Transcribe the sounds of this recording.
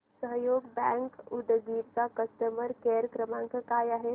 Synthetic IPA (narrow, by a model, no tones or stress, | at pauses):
səɦjoɡbɛ̃ŋkud̪ɡiːɾkakəst̪əməɾkeɾkɾəmãŋkəkajaɦe